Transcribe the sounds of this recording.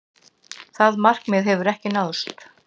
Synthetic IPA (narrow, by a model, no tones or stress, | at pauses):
θaðmar̥kmɪðɦɛvʏɾɛhcɪnaðst̪